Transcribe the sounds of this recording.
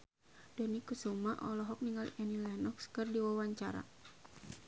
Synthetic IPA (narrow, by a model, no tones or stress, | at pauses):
dɔnikusumaʔɔlɔɦɔk̚niŋalʔɛnilɛnɔkskɨrdiwawaɲt͡ʃaɾa̰